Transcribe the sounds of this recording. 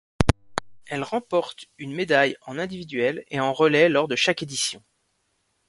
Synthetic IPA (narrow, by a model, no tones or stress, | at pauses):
ɛlʁɑ̃pɔʁt̪ynmed̪ajɑ̃nɛ̃d̪ivid̪ɥɛleɑ̃ʁəlɛlɔʁd̪əʃaked̪isjɔ̃